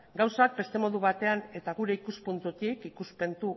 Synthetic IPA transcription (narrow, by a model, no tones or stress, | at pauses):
ɡawsak̚be̞st̪e̞mo̞ðuβ̞at̪e̞ane̞t̪aɣuɾe̞ikuspunt̪ut̪ikikuspe̞nt̪u